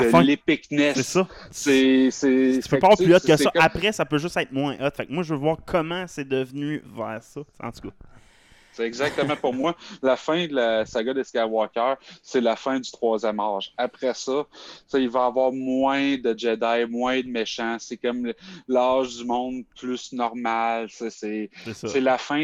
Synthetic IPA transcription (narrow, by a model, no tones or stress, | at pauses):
d̪əfɛ̃lepɪknɛsesɔsese̥pɛpaplyɔt̪kəsɔapʁɛsapøʒʏsɛɪt̪̚mwɛ̃ʔɔt̪fak̚mwaʒəvøvwɑːʁkʰʌmɑ̃sɛd̪əvnyvɛːʁsʌɑ̰̃t̪u̥kʌ | seɛɡzak̚t̪əmãpuʁmwalafɛ̃d̪lasaɡad̪əskaʁwɑkʲœːselafɛ̃d̪yt̪χwɑːzjɛmaːʒapʁɛsʌseilvɑavwɑːʁmwɛ̃d̪əd͡ʒɛd̪ajmwɛ̃d̪əmeʃãsɛkɔmlaːʒd̪ymɔ̃ʊ̃d̪pʰlysnɔʁmalsesesesɔselafɛ̃